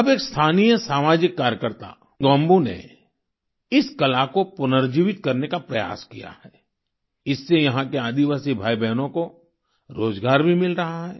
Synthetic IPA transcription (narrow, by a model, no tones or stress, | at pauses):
ɐbeːkst̪ʰaːnijəsaːmaːd͡ʒɪkːaːɾjəkəɾt̪a̰ | ɡɔ̃ːmbunḛ | ɪskɐlakopʊnəɾd͡ʒiːʋɪt̪kɐɾnekapɾɐja̰ːskḭja̰hɛː | ɪsːejɐɦãkeaːd̪iʋaːsibʱaːibɛɦnõko | ɾoːzɡaːɾbʱimɪlɾɐɦaɦɛː